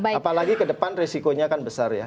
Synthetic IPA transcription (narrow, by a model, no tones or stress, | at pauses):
baapalaɡikədəpanresikoɲakanbəsarja̰